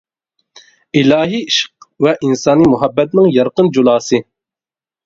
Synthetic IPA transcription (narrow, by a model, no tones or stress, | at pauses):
ilɑːɦiiʃq̚wɛʔinsɑːnimʊɦæbːɛt̪̚nɨŋjɑɾqɨnd͡ʒulˠɑːsɨ